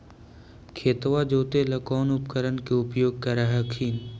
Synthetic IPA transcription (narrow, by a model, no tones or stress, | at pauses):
kʰeːt̪ʋad͡ʒoːt̪elɐkɔːnʊpkəɾənkeʊpjoːɡ̚kɐɾaɦɛkʰiːn